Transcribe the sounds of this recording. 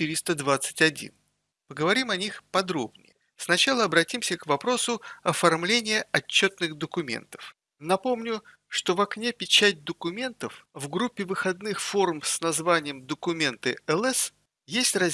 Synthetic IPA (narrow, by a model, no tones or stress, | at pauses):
t̪ɨɾʲɪst̪əd̪vat̪sɨ̥tʲɐdʲḭn | pəɡəvɐɾʲimɐnʲixpɐd̪ɾo̞bnʲɪ̰jə | snɐt͡ɕalˠəɐbɾɐtʲimsʲəkvɐpɾo̞sʊɐfɐrmlʲenʲɪjəɐt͡ɕːo̞t̪nɨxd̪əkʊmʲḛnt̪ə̥f | nɐpo̞mnʲʊ | ʂt̪o̞vɐknʲepʲɪt͡ɕæt̚ʲd̪əkʊmʲe̞nt̪əfvɡɾupʲːɪvɨxɐd̪̚nɨxfo̞ɾʊmsnɐzvanʲɪjəmd̪əkʊmʲe̞nt̪ɨɛlˠɛs | jesʲtʲrɐ